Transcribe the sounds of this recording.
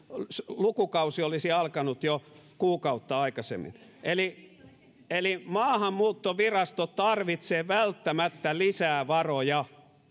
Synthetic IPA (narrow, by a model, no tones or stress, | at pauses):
slukukɑusiolisiɑlkɑnut̪jo | kuːkɑut̪ːɑɑikɑsḛmːḭneli | elimɑːhɑmmuːt̪ːoʋirɑst̪ott̪ɑrʋit̪seːʋælt̪ːæmæt̪ːælisæːʋɑrojɑ